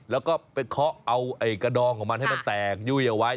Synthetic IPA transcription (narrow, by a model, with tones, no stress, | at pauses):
lɛː˨˦˥wkɔː˥˩pe˧kʰɔː˦˥ʔa˧wʔa˧˩jkaː˧ɗɔː˧ŋkʰɔː˨˩˦ma˧nhjma˧nt̪ɛː˨˩k̚juː˧˩jʔa˨˩wa˦˥